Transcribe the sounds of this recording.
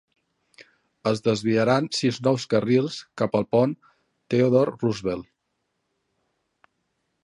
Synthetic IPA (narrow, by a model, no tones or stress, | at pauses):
əzðəzβiəɾansiznɔwskərilˠskapəlˠpɔn | t̪eoðɔrruzβɛlˠ